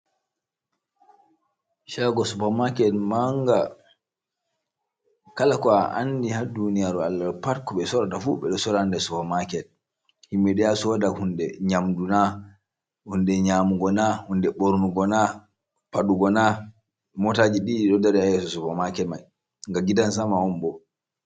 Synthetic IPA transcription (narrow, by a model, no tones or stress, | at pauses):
ʃaɡɔsupamakɛlmaŋɡa | kalakɔaʔa̰ndihadunijaɾalːapaɾkɔɓɛsɔɾatafuɓɛɗɔsɔɾandɛsupamakɛl | himːɛɗɛjasɔdahundɛɲamduna | hundɛɲamuɡɔnahundɛɓoɾnuɡɔna | paɗuɡɔna | mɔtad͡ʒiɗiːɗɔdaɾɛajɛsɔsupamakɛlmaj | ŋɡaɡidans̬amaɔmbɔ